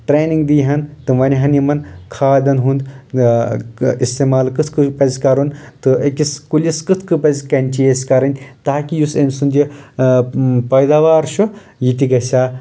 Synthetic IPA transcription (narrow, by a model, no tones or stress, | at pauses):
ʈɾeːniŋɡd̪iːɦɐnt̪ɨʋɐnʲiɦɐnimɐnkʰaːd̪ɐnɦund̪ | ist̪eːmaːlkɨt̪ʰkɨpɐzʲkɐɾunt̪ɨɐkʲiskulʲiskɨt̪ʰkɨpɐzʲkɐnʲt͡ʃijesʲkɐɾɐnʲt̪aːkʲijusɐmʲsund̪ji | pɐjd̪aːʋaːɾʃu | jit̪iɡɐsʲaː